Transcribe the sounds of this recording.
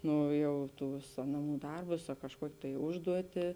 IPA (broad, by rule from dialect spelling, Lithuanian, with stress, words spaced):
ˈnoː ˈjɛʊ ˈtuːs ˈnɑːˌmuː ˈdɐrbʊs ɐ kɐʃˈkuɔkʲeː tɐɪ ˈʊʒduɔtʲɪ